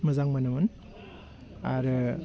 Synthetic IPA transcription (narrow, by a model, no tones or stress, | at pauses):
məzaŋmanamɯn | aɾɯ